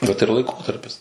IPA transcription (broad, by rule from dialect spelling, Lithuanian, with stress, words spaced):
ˈʋɐt ɪr lˠɐɪˈkoːtɐrʲpʲɪs